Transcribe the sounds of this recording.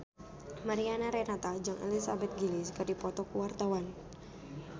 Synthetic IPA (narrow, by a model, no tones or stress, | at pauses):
maɾianaɾɛnat̪ad͡ʒaŋʔɛ̰lisabɛt̪̚ɡiliskərdipɔt̪ɔkuwart̪awan